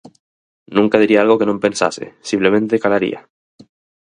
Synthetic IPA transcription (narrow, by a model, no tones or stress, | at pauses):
nũŋkað̞iɾiaalɣokenompe̞nsa̰sḛsimplemẽnt̪ekalaɾḭa̰